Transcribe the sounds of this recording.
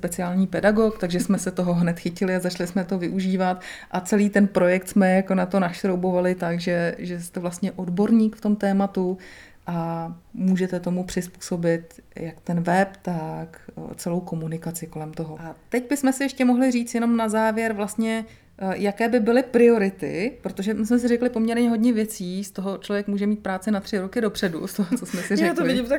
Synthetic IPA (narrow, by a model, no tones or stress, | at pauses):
spɛt͡sɪaːlɲiːpɛdaɡo̞kt̪aɡʒɛsmɛsɛt̪o̞ɦo̞ɦnɛt̪xɪcɪlɪazat͡ʃlɪsmɛt̪o̞vɪʔuʒiːvat̪ʔat͡sɛliːt̪ɛnpɾo̞jɛk̚t̪smɛjako̞nat̪o̞naʃt̪ɾowbo̞valɪt̪akʒɛʒɛst̪ɛvlast̪ɲɛʔo̞dbo̞ɾɲiːkft̪o̞mt̪ɛːmat̪u | ʔamuːʒɛt̪ɛt̪o̞mupr̝̥ɪspu̥ːso̞bɪt̪jakt̪ɛnvɛpt̪akt͡sɛlo̞wko̞munɪkat͡sɪko̞lɛmt̪o̞ɦoʔat̪ɛɟbɪsmɛsɪjɛʃcɛmo̞ɦlɪriːt͡sjɛno̞mnazaːvjɛɾvlast̪ɲɛ | jakɛːbɪbɪlɪpɾɪo̞ɾɪt̪ɪ̰pɾot̪oʒɛmɪsmɛs̬ɪɾɛklɪpo̞mɲɛɾɲɛɦo̞dɲɛvjɛt͡siːst̪o̞ɦo̞t͡ʃlovjɛkmuːʒɛmiːt̪̚pɾaːt͡sɪnat̪r̝̥ɪɾo̞kɪdo̞pr̝̥ɛdṵst̪oɦot͡so̞smɛsɪɾjɛatk̪ollɪɪɟɪmt̪a